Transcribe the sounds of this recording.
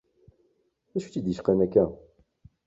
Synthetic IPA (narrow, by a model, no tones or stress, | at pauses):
æʃu̥t͡sːid̪jəʃqænækːæ